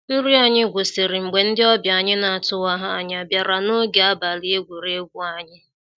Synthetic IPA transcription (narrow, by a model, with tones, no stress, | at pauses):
n̩˦ɾi˦a˨ɲɪ˦ɡʷʊ˨sɪ˨ɾɪ˨ŋ͡m̩˨ɡ͡be˨n̩˦dɪ˦ɔ˦bja˨ɲɪ˦na˨a˨tʊ˦wa˦ɦa˦a̰˨ɲ˦a˨bja˨ɾa˨no˦ɡe˨a˦ba˨li˦e˦ɡʷu˨ɾe˦ɡʷʊ˦a˦ɲɪ˦